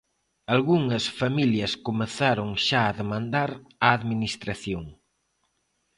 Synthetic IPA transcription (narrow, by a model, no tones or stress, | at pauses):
alɣuŋɐsfamiljɐskomeθaɾoŋʃaːðemãnd̪aɾaːðminist̪ɾaθjoŋ